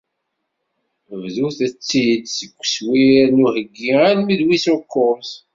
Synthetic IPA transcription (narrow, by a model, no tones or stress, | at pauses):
əvðuθæt͡sːid̪səkʷːswiɾnuhəɡːialmiðwisukːʊms